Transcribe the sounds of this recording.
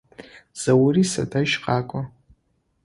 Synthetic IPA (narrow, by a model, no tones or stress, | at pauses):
z̥awrisadʰaʒqʼakʷʼa